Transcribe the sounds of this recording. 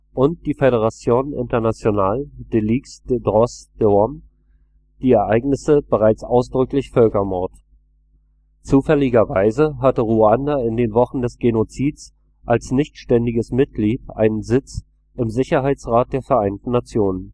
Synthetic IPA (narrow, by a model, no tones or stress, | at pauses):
ʔʊnt̚d̥iːfeɾeʁ̞at͡sjoːnnʔɪ̰ntɐnat͡sjonaːld̥eliːksd̥dʁɔsd̥əɔm | d̥iːɛɐʔaɪɡnɪsəb̥əʁaɪt͡sʔaʊsd̥ʁʏklɪçfœlkɐmɔɐt | t͡suːfɛlɪɡɐvaɪzəɦatəʁuandaɪndeːnvɔχn̩dɛsɡ̥enot͡siːts | ʔalsnɪçtʃtɛndɪɡəsmɪt̚ɡ̥liːtʔa̰ɪnənzɪt͡s | ʔɪmzɪçɐɦaɪt͡sʁaːt̚d̥eːɐfɛɐʔaɪntn̩nat͡sjoːnən